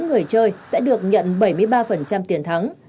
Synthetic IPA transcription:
ŋɨ˨˩əjt͡ɕəː˧jsɛ̰˧˥ɗɨ˨˩ək̚ɲə̰˧˨nɓə˧˩jmɨ˧əjɓaː˧fə˨˩nt͡ɕa˧mt̪i˨˩ənt̪ʰa˨˦ŋ

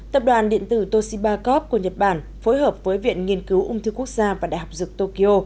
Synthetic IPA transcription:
t̪ə˨˩p̚ɗwaː˨˩nɗḭ˧˨ənt̪ɨ˧˩t̪o˧si˧ɓaː˧kɔ˦˥p̚ku˧˩əɲə˨˩t̚ɓaː˧˩n | fo˨˦jɦəː˨˩p̚vəː˨˦jvḭ˧˨ənŋi˧ənkɨ˨˦wʔʊ̰˧ŋ͡mt̪ʰɨ˧ku˦˥ək̚zaː˧vaː˨˩ɗa̰ː˧˨jɦa˨˩p̚zɨ˨˩k̚t̪o˧ki˧ʔo˧

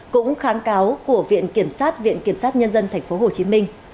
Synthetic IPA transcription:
kʊ̰˧˥ŋ͡mxaː˨˦ŋkaː˨˦wku˧˩əvḭ˧˨ənki˧˩əmsaː˦˥t̚vḭ˧˨ənki˧˩əmsaː˦˥t̚ɲə˧nzə˧nt̪ʰɛ˨˩ŋ̟fo˨˦ɦo˨˩t͡ɕi˨˦mï˧ŋ̟

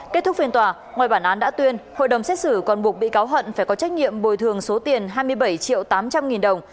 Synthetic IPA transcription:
ke˦˥t̚t̪ʊ˦˥k̚fi˧ənt̪waː˨˩ | ŋwaː˨˩jɓaː˧˩nʔaː˨˦nɗa̰ː˧˥t̪wi˧ənho̰˧˨jɗə˨˩wŋ͡msɛ˦˥t̚sɨ˧˩kɔ˨˩nɓu˨˩ək̚ɓḭ˧˨kaː˨˦wɦə̰˧˨nfaː˧˩jkɔ˨˦t͡ɕa˦˥k̚ɲḭ˧˨əmɓo˨˩jt̪ʰɨ˨˩əŋso˨˦t̪i˨˩ənɦaː˧jmɨ˧əjɓə˧˩jt͡ɕḭ˧˨əwt̪aː˨˦mt͡ɕa˧mŋi˨˩nɗə˨˩wŋ͡m

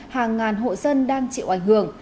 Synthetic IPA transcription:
haː˨˩ŋːaː˨˩nɦo̰˧˨zə˧nɗaː˧ŋt͡ɕḭ˧˨wʔa˧˩jŋ̟hɨ˧˩əŋ

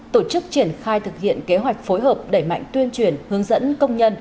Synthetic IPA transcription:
t̪o˧˩t͡ɕɨ˦˥k̚t͡ɕi˧˩ənxaː˧jt̪ʰɨ˨˩k̚hḭ˧˨ənke˨˦ɦwa˨˩jk̟̚fo˨˦jɦəː˨˩p̚ɗe˧˩jma̰˧˨jŋ̟t̪wi˧ənt͡ɕwi˧˩ənhɨ˨˦əŋzə̰˧˥nkə˧wŋ͡mɲə˧n

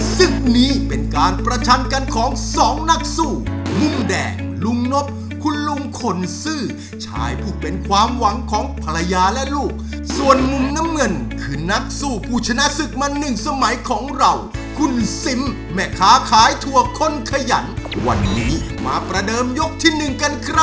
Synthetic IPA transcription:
sɯ˨˩ŋk̚niː˦˥pe˧nkaː˧npɾa˧t͡ɕʰa˧nka˧nkʰɔː˨˦ŋsɔː˨˦ŋna˦˥k̚suː˥˩lu˧˩ŋdɛ̰ː˨˩ŋ | lu˧ŋno˦˥p̚ | kʰu˧˥nlu˧ŋkʰo˧˩nsɯː˥˩ | t͡ɕʰa̰ː˦jpʰuː˧˩pe˧nkʰwaː˧mwa˨˩˦ŋkʰɔː˩˦ŋpʰa˧la˧jaː˧lɛ˦˥luː˥˩k̚ | su˨˩ənmu˨˧mna˦˥mŋɤ˧nkʰɯː˧na˦˥k̚suː˥˩pʰuː˥˩t͡ɕʰa˧na˦˥ʔsɯ˨˩k̚ma˧nːɯ˨˩ŋsa˧ma˩˦jkʰɔː˩˦ŋɾa˧˩wkʰu˧˥nsi˨˩˦m | mɛː˧˩kʰaː˦˥kʰaː˨˦˥jt̪ʰu˧˩ɐkʰo˧˥˨nkʰa˧ja̰˨˩˦nwa̰˧nːiː˦˥ | maː˧pɾa˧dɤː˧mjo˦˥k̚t̪ʰiː˥˩nɯ˨˩ŋka˧nkʰɾa˦˥

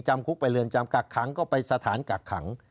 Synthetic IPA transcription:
t͡ɕa˧mkʰu˦˥k̚pa˧jlɯ˧ənt͡ɕa˧mka˨˩kʰːa˩˦ŋkɔː˥˩pa˧jsa˧t̪ʰaː˩˦nka˨˩kʰa̰˩˦ŋ

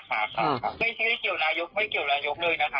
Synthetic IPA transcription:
kʰa̰ː˧˩˥kʰa˦˧kʰa˦˥a˥˩jtʰi˧˥˩ki˨˩əwnaː˧jo˦˥p̚ma˥˩jki˨˩əwnaː˧jo˦˥p̚lɤː˧jna˦˥kʰa˦˥

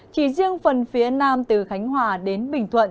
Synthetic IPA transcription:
t͡ɕḭ˧˩zi˧əŋfə˨˩nfi˨˦ənaː˧mt̪ɨ˨˩xa˨˦jŋ̟hwaː˨˩ɗe˨˦nɓï˨˩ŋ̟t̪ʰwə̰˧˨n

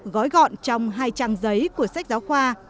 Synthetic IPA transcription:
ɣɔ˨˦jɣɔ̰˧˨nt͡ɕɔ˧wŋ͡mɦaː˧jt͡ɕaː˧ŋzə˨˦jku˧˩əsa˦˥k̚zaː˨˦wxwaː˧

